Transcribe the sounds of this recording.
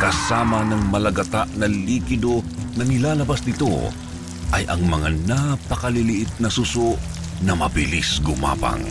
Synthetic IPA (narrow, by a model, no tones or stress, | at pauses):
kɐsaːmɐnɐŋmɐlɐɡɐt̪aʔnɐliːkɪd̪onɐnɪlaːlɐbasnɪt̪o̰ | ʔɐjʔɐ̰ŋmɐŋanapɐkɐlɪlɪʔɪt̪̚nɐsusoʔ | nɐmɐbɪlisɡʊma̰ːpɐ̰ŋ